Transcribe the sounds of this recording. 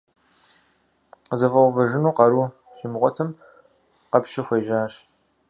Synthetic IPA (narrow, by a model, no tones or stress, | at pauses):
zɐvɐwvɐʒɪnuːqɐɾuː | ɕɪmʁʷɔtʰɐm | qɐpʃɐxʷeːʒaːɕ